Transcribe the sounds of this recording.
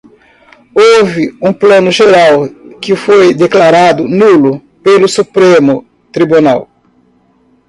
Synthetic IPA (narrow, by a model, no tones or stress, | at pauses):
ovɪũplɐ̃nʊʒeɾawkɪfojd̪eklaɾad̪ʊnulʊ | pelʊsupɾemʊ | t̪ɾibunaw